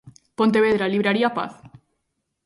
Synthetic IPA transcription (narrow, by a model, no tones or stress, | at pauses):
pont̪̬eβeð̞ɾaliβɾaɾiapa̰θ